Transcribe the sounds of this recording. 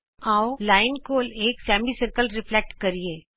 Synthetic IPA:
aːolaːɪnkoːleːksɛ̃ːmbisɪɾkəlɾɪpʰlek̚ʈkɐɾieː

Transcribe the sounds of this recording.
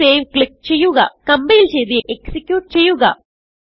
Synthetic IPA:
eːʋkɭik̚t͡ɕe̞jːuɣɐ̰kɐmbɐjilt͡ɕe̞jd̪iʔeksikʲjuːʈ̚t͡ɕe̞jːuɣɐ̰

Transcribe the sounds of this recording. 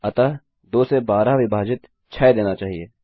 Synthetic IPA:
ɐt̪a | d̪oːsebaːɾaʋɪbʱaːd͡ʒɪt̪ | t͡ʃʰɛːd̪eːnat͡ʃaːɦiḛː

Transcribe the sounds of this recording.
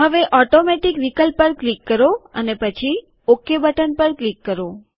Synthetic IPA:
ɦəʋeʔɔʈomeʈikʋikəlpːəɾklikːəɾoə̰nepət͡ʃʰi | okːjebəʈənpəɾklikːəɾo

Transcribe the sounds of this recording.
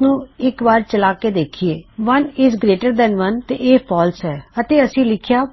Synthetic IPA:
nũːɪkbaːɾt͡ʃəlaːked̪eːkʰieːʋənɪːzɡɾeːʈəɾd̪ɛ̃nʋənt̪eʔeːpɔːlsɛːət̪eːəsĩːlɪkʰɪjaː

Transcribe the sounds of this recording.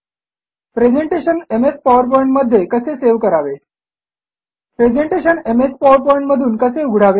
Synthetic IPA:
pɾed͡ʑeɳʈeɕənemespaʋəɾp̬ɔ̃ĩɳʈməd̪ʱjekəseseʋkəɾaʋe | pɾed͡ʑeɳʈeɕənemespaʋəɾpɔjĩɳʈməd̪ʱuːnkəseuɡʱɽ̤aʋe

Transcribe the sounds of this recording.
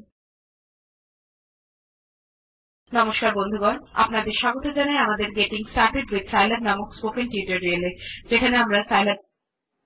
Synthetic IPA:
nɔmoʃkaɾbond̪ʱukɔɾa̰pnad̪eɾʃaɡot̪od͡ʑanaeamad̪eɾɡeʈiŋsaɾkɾiɖwid̪sajlab̚namokspokenʈiuʈeɾɾieled͡ʑekʰaneamɾasajla

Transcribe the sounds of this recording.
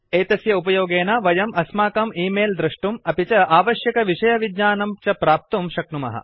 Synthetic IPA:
eːt̪ɐsjɐupɐjoːɡeːnɐʋɐjɐmɐsmaːkɐmiːmeːld̪ɾɐʂʈumɐpit͡ʃɐaːʋɐʃjɐkɐʋiʂɐjɐʋid̪ɲaːnɐmt͡ʃɐpɾaːp̚t̪umʃɐknumɐ̰ɦɐ̰

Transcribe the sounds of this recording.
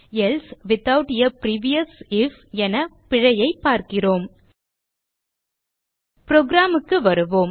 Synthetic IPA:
ɛlsʋɪt̪ːɐʋʈɪjɐpɾiːʋɪjɐsɪfɛnɐpɪɻɐjɐɪpːaːɾkɪroːm | pɾoːɡɾaːmɯkːɯʋɐɾɯʋoːm

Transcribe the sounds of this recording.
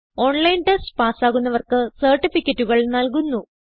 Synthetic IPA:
o̞ːɳlɐjnʈesʈpaːsaːɣunːɐʋɐrkɨsɐrʈːifikʲːɐtːuɣɐɭnɐlk̬unːu

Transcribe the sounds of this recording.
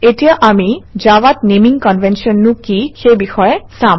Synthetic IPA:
etijaʔamid͡ʒawat̪̚nemiŋkɔnvʱensiɔnːukixebixɔjesam

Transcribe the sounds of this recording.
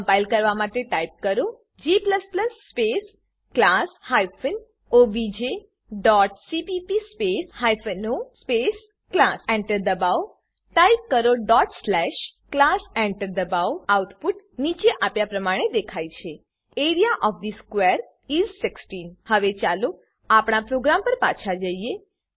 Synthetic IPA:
bajlkəɾʋamaʈeʈajp̚kəɾo | d͡ʒipləspləsːpes | klashajfən | obid͡ʒe | ɖɔʈsipipispeshajfnospes | klasɛ̃ɳʈəɾd̪əbaw | ʈaip̚kəɾoɖɔʈslɛʃklasɛɳʈəɾd̪əbawauʈpuʈ | nit͡ʃeʔapjapɾəmaɽ̃ed̪ekʰajt͡ʃʰe | eɾijaʔɔfd̪iskʋeɾ | izsɪksʈinhəʋet͡ʃalo | apɽ̃apɾoɡɾampəɾpa̰t͡ʃʰad͡ʒəie

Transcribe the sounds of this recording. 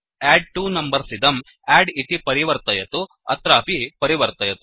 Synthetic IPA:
ɛːɖ̚ʈuːnɐmbɐɾsid̪ɐm | ɛːɖit̪ipɐɾiʋɐɾt̪ɐjɐt̪u | ɐ̰t̪ɾaːpipɐɾiʋɐɾt̪ɐjɐt̪u

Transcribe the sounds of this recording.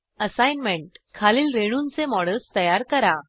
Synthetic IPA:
əsajnmeɳʈkʰaliːlɾeɽ̃unt͡semɔɽəlst̪əjaɾkəɾa

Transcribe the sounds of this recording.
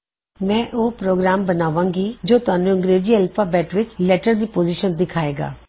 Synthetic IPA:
mɛ̃ːʔoːpɾoːɡɾaːmbənaːʋãːŋɡiːd͡ʒoːt̪ʊaːnũːəŋɡɾeːziːɛlpʰaːbɛːʈʋɪt͡ʃlɛːʈəɾd̪iːpoːziːʃənd̪ɪkʰaːeːɡa̰ː

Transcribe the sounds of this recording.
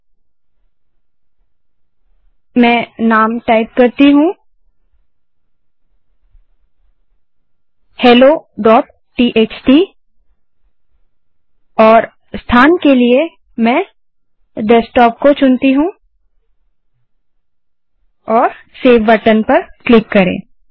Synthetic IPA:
mɛ̃ːnaːmʈaːɪp̚kɐɾt̪iɦũ | hɛːloːɖɔːʈ̚ːiːʔeːt͡ʃʈi | ɔːɾ | st̪ʰaːnkelie | mɛ̃ | ɖɛsʈɔːp̚kot͡ʃʊnt̪iɦũ | ɔːɾ | seːʋʋɐʈənpɐɾklɪkːɐɾḛ̃ː

